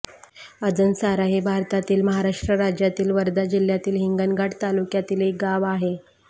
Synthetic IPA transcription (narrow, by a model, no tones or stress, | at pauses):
əd͡zənsaɾaɦebʱaɾt̪at̪iːlməɦaɾaʂʈɾəɾad͡ʑjat̪iːlʋəɾd̪ad͡ʑil̤jat̪iːlɦiŋɡənɡaʈt̪alukjat̪iːlek̚ɡaʋaɦe